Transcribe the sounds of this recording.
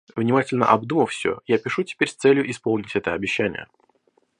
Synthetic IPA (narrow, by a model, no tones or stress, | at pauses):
vnʲɪmatʲɪlʲnə̰ʔɐbd̪uməfsʲɵ̰japʲɪʂutʲɪ̥pʲeɾʲst̪sɛlʲjʊʔɪspolˠnʲɪtʲɛt̪əɐbʲɪɕːænʲɪ̰jə̰